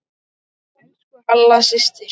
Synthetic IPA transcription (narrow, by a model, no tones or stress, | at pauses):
alːasɪst̪ɪ